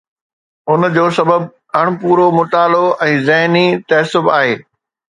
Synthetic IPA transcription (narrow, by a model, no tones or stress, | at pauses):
ʊnd͡ʑoːsɐbəb | ɐɽ̃ʊ̆puːɾomʊt̪aːloʔɛ̃ːzɐɦnit̪ɐːsʊbaːɦeː